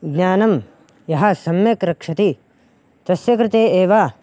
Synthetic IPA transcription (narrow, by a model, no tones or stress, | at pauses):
ɡnʲaːnɐm | jɐɦɐsɐmjɐkɾɐkʂɐt̪i | t̪ɐsjɐkɾɪt̪eːeːʋa